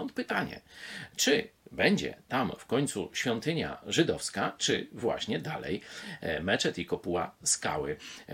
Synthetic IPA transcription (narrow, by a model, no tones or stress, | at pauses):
ɔnt̪̚pɘt̪aɲɛ̰t͡ʂɘbɛɲd͡ʑɛ̰t̪amfkɔɲʲt̪suɕfʲjɔnt̪ɘɲa̰ʐɘd̪ɔfskat͡ʂɘ̰vwa̰ɕɲɛd̪a̰lɛ̰jmɛt͡ʂɛt̪ikɔpuwaska̰wɘ